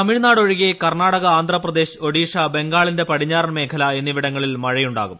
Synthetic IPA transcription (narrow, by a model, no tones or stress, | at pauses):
ɐmiɻnaːɽoɻiɣekɐrnaːɽɐɣɐaːnd̪ʱrɐprɐd̪e̞ːɕo̞ɽiːʂɐbe̞ŋɡaːɭinde̞pɐɽiɲːaːrnme̞ːkʰɐlɐe̞nːiʋiɽɐŋːɐɭilmɐɻɐjuɳɖa̰ːɣum